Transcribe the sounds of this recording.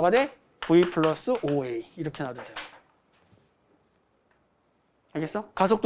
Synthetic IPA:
ɡane | puipʰɯɭːʌs͈ɯʔoeiiɾʌkʰe̞nadodejo | aɭɡes͈ʌkasʰok̚t͈

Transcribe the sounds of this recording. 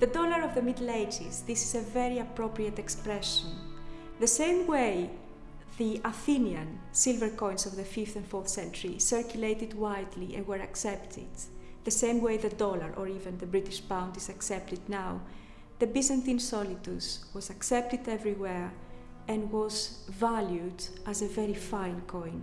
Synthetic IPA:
ðədolɐɾovðəmid̪lejd͡ʒizðisizeveɾiɐpɾopɾiɐt̪ekspɾɛʃõn | ðəsẽjmwej | ðiɐθiniɐ̃nsilvəɾkõj̃nsovðəfifθɛ̃nfoɹθsɛ̃nt͡ʃuɹisɛɹkjulejt̪id̪wajd̪liɛ̰̃nwəɾɐksɛpt̪ʰɪ̰d̪ | ðəsẽjmwejðəd̪ɔlɐɹʔoɹivɛ̃nðəbɾit̪iʃbãw̃nd̪izɐksɛp̚t̪id̪naw | ðəbizãnt̪ĩnsɔlit̪uswɔzɐksɛp̚t̪id̪ɛvɾiweɹ | ɛ̃nwɔzvaljudɐzəveɾifãj̃nkʰõj̃n

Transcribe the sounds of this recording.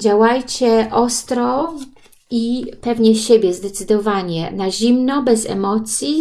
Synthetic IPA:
d͡ʑawajt͡ɕɛʔɔst̪ɾɔ | ipɛvɲɛɕebʲjɛzd̪ɛt̪sɘd̪ɔvaɲɛnaʑimnɔbɛzɛ̰mɔt̪sʲji

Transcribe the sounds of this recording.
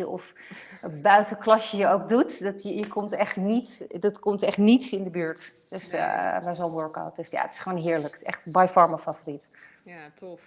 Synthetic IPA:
əɔf | bœɥtəklɑsəjəowk̚dutdɑtəjəkʰɔmtɛχtnitdɑtkɔmtɛχtnitsɪndəbyːɹtd̥øsmɛɹzonwøɹka̰wt̚d̥ɵsja̰ətɪ̥sχʋoːnɦɪːɹləksɛ̰χtbajfɑɹməfafoːrit

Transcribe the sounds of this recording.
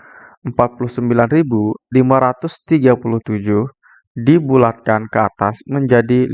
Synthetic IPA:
ʔəmpat̪̚pulʊhsəmbilanribulimaɾat̪ʊst̪iɡapulʊht̪ud͡ʒʊh | dibulat̪̚kankəa̰t̪asməɲd͡ʒadi

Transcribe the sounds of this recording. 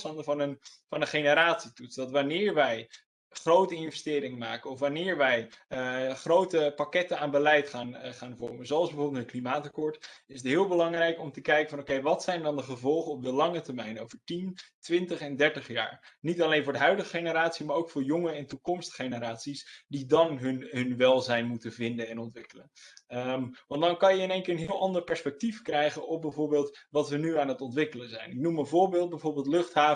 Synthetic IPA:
stɑndəvɑnənfɑnənχejnəɾaːtsitutsdɑtʋanɪːɹʋɛj | χrowtəɪnvɛstɪːɾɪŋəmaːkənɔfʋanɪːɹʋɛj | χrowtəpakɛtənaːnbəlɛjtχaːnχaːnvɔɹməzoɑlˠzbəvoːɹbəl̩ˠtətklimaːtɑkɔːɹtɪsətɦɪːlˠbəlɑŋrɛjkɔmtəkɛjkəvɑnowkejʋɑtsɛjndɑndəχəvɔlˠχənɔb̚dəlɑŋətəɹmɛjnowvəɹtintʋɪntəχɛndɛɹtəχja̰ːɹnitɑlejnvʊːɹdəɦœɥdəχəχejnəɾaːtsimaːɹowkfʊːɹjɔŋəɛntukɔmstχejnəɾaːtsisdidɑnɦnɦɵnʋɛlˠzɛjnmutəvɪndənɛnɔntʋɪkələn | ʋɑndɑnkɑnjəɪnejŋkɪːɹənɦɪːlˠʔɑndəɹpɛɹspɛk̚tifkrɛjχənʔɔbɛvoːɹbeːlˠtʋɑtʋənyaːnətɔntʋɪkələzɛjnɪk̚numənvʊːɹbeːlˠt̚bɛjvoːɹbeːlˠtlɵχtɦaː

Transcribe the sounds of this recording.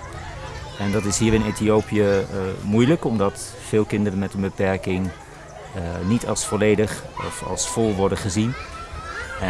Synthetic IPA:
ɛndɑtɪsɦiːɹɪnetiowpijəmujləkɔmdɑt | fɪːlˠkɪndərənmɛtənbəpɛɹkɪŋ | nitɑ̰lˠsfɔlejdəχɔ̰fɑ̰lˠsfɔlˠʋɔɹdəχəzin

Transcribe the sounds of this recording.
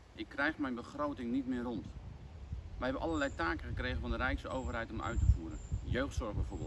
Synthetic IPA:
ʔɪkːrɛjχmɛjnbəχrowtɪŋnitmɪːrɔnt | ʋəɦɛbənʔɑləɹlɛjtaːkəχəkrejχənvɑndərɛjksəowvəɹrɦɛjtɔmœ̰ɥtəvuːɾə̰njøɥχtsɔɹχbɛjvoːɹbɪ̰lˠ

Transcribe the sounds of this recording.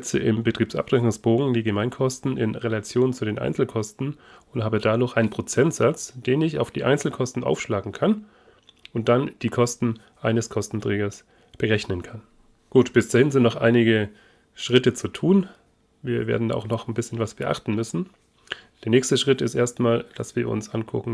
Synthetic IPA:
ɛt͡sə̰ʔɪmbətʁ̥iːpsʔa̰pʁ̥ʁɛkʊŋsb̥oːɡŋ̩diːɡəmaɪnkʰɔstn̩ɪ̰nʁelat͡sjoːnt͡sudeːnʔa̰ɪnt͡sl̩kʰɔstn̩ | ʊnthaːbədaːdʊːxʔaɪnənpʁ̥ot͡sɛntz̥at͡sd̥eːnɪça̰ʊfd̥iːʔa̰ɪnt͡sl̩kʰɔstn̩ʔa̰ʊfʃlaːɡŋ̩kʰan | ʊnt̚d̥and̥iːkʰɔstn̩ | ʔaɪnəskʰɔstn̩tʁ̥ɛːɡɐs | b̥əʁɛçnənkʰan | ɡ̥uːtb̥ɪsd̥aːhɪnzɪntnɔχʔa̰ɪnɪɡə | ʃʁ̥ɪtət͡sutʰuːn | viːɐvḛɐdn̩da̰ːa̰ʊxnɔχnbɪsçənvasv̥əɐʔa̰χtn̩mʏsn̩ | d̥eːɐnɛːçstəʃʁ̥ɪtɪstʔeːɐstmaːld̥a̰sv̥iːɐʔʊ̰nsʔankʰʊkŋ̩

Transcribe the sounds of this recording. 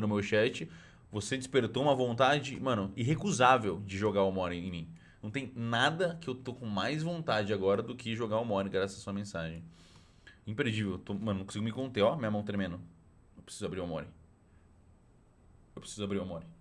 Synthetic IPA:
nʊmewʃɛt͡ʃɪ | vosed͡ʒɪspeɾt̪oũmɐvõnt̪ad͡ʒɪmɐ̃nʊiɦekuzavewd͡ʒɪʒoɡaɾomɔɾẽẽj̃mĩnɐ̃w̃t̪ẽj̃nad̪ɐkɪewt̪okõmajzvõnt̪ad͡ʒɪaɡɔɾɐd̪ʊkʰɪʒoɡaomɔɾẽɡɾasɐzɐsuɐmẽsaʒẽj̃ | ĩpɾed͡ʒivewt̪omɐ̃nñkõsiɡʊmɪkõnt̪eɔmĩɲɐmɐ̃w̃t̪eɾmẽnʊ | ewpɾesizʊabɾiɾamɔɾɪ̃ | ewpɾe̥sizʊabɾiɾuamɔɾĩ

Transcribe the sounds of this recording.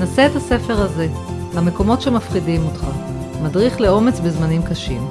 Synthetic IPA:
nase̞ːtase̞fe̞ʁaze̞ | lame̞ko̞mo̞tʃe̞mafχidimotχa | madʁiχle̞o̞me̞t͡sbezmanimkaʃim

